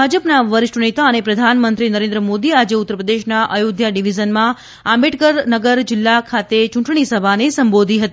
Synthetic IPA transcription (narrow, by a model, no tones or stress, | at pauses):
bʱad͡ʒəpnaʋəɾɪʂʈnet̪aənepɾəd̪ʱanmənt̪ɾinəɾẽnd̪ɾəmod̪iad͡ʒeut̪ːəɾəpɾəd̪eʃnaʔəjod̪jaɖiʋizənmã | ambeʈkəɾnəɡəɾd͡ʒɪlːakʰat̪et͡ʃũɳʈɳ̃isəbʱanesəmbod̪ʱiɦət̪i